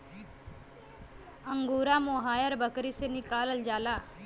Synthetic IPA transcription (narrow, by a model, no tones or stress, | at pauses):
əŋɡuɾamoɦajəɾbəkɾisenikaləld͡ʒala